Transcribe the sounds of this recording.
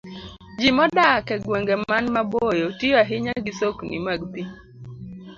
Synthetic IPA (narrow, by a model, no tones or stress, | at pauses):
d͡ʒimɔdakɛɡwɛŋɡemanmabojotijaɦɪɲaɡisoknḭmaɡpi